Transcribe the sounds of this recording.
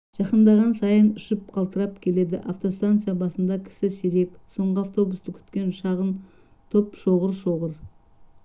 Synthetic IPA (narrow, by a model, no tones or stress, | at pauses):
ʒ̥ɑqənd̪ɑʁɑnsɑjənʏʃɪp̚qʰɑlˠt̪əɾɑp̚kʲʰe̞le̞d̪ɪ̰ʔaft̪o̞st̪ant̪sɨjabɑsənd̪ɑkʲʰɪ̥sɪseɾe̞pso̞ɴʁəaft̪o̞bust̪əkʲʰʏ̥t̪kʲe̞nʃɑʁən | t̪ʰopʃo̞ʁəɾʃo̞ʁəɾ